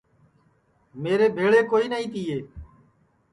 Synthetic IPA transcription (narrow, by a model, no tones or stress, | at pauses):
meːɾeːbʱeːɭeːkoːiːnəĩːt̪iːeː